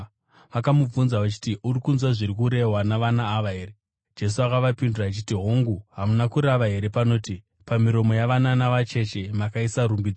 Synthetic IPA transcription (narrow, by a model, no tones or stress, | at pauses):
ʋakamub͡vunzaʋat͡ʃi̥tiʔurikunzwaʐirik̬uɾe̞ɦwanaʋanaːʋaɦeːre | d͡ʒe̞s̬uakaʋapinduraːt͡ʃitiɦoŋɡuɦamunakuɾaʋaɦe̞ɾe̞pano̞ːti | pamiɾo̞mo̞jaʋananaʋat͡ʃe̞t͡ʃe̞makaisaɾumbid͡zo